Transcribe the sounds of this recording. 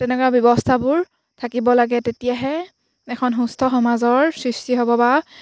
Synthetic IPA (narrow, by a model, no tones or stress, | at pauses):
tɛnɛkwabjɔbɔstʰabʊɹ | tʰakibɔlaɡɛtetijaɦɛ | ɛkʰɔnɦustʰɔxɔmazɔɹsɹistiɦɔbɔba